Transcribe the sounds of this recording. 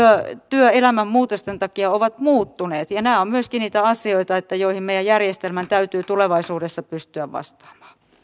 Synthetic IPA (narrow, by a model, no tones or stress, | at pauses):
øt̪yøelæmæmmuːt̪ost̪ent̪ɑkiɑoʋɑt̪muːt̪ːuneːt̪jɑnæːommyøskiniːt̪æɑsioit̪ɑet̪ːæjoihimmejæjærjest̪elmænt̪æyt̪yːt̪uleʋɑisuːdesːɑpyst̪yæʋʋɑ̰st̪ɑ̥ːmɑ̥ː